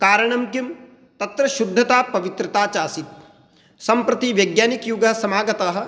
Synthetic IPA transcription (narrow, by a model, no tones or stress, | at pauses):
kaːɾɐɳɐmɡjim | t̪ɐt̪ɾɐʃud̪ʱːɐt̪aːpɐʋit̪ɾɐt̪aːt͡ʃaːsit̪̚ | sɐmpɾɐt̪iʋjɐɡjaːnikjuɡɐsɐmaːɡɐt̪aːɦɐ̆